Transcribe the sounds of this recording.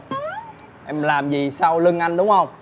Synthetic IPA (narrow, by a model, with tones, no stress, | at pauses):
ʔɛ˧mlaː˨˩mzi˨˩saː˧wlɨ˧ŋʔa˧jn̟ɗʊ˨˦ŋ͡mhə˧wŋ͡m